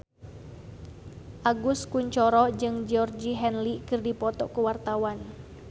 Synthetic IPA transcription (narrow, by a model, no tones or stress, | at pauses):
ʔaɡuskuɲt͡ʃɔɾɔd͡ʒɨŋd͡ʒɔrd͡ʒiɦɛnlikɨrdipɔt̪ɔ̰kəwart̪awan